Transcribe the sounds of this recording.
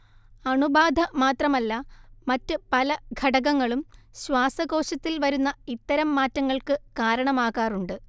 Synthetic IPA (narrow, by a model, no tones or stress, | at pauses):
ɐɳubaːd̪ʱɐmaːt̪rɐmɐlːɐmɐtːɨpɐlɐɡʱɐɽɐɣɐŋːɐɭumɕwaːsɐɣo̞ːɕɐt̪ːilʋɐɾunːɐit̪ːɐɾɐmːaːtːɐŋːɐɭkɨkaːɾɐɳɐmaːɣaːruɳɖɨ